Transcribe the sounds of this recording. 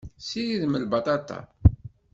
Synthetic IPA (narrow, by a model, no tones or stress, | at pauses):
sijiðməlbɑt̪ˤɑt̪ˤɑ̰